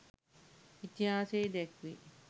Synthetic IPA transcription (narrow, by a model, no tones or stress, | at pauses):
it̪iɦaːseːd̪ekʋḭ